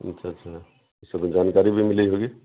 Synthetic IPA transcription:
ə̰tːʃʰaːtːʃʰa | isəbd͡ʒankaɾibʱimileɦoɡe

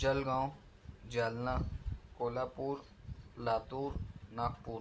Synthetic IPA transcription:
d͡ʒəlɡãːõ | d͡ʒaːlnaːkoːlaːpuːɾ | laːt̪uːɾnaːk̚puːɾ

